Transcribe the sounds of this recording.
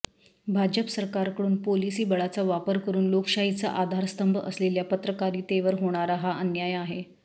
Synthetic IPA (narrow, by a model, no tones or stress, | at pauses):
bʱad͡ʑəpəsəɾkaɾkəɽuːnpolisiːbəɭat͡saʋapəɾkəɾuːnlokʂaɦit͡sa̰ʔad̪ʱaɾst̪əmbʱəʔə̰sleljapət̪ɾəkaɾiːt̪eʋəɾɦoɽ̃aɾaɦaʔənjajaɦe